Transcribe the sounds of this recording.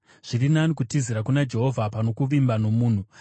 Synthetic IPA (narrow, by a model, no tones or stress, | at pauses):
ʐ̥irinanikutiziɾakunad͡ʒe̞ɦo̞vʱapano̞kuʋimbano̞muːn̤u